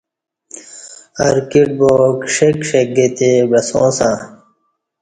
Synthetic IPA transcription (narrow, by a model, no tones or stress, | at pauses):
ɐɾkiʈ̚bokʂekʂeɡet̪ebɐsõ̰ːsã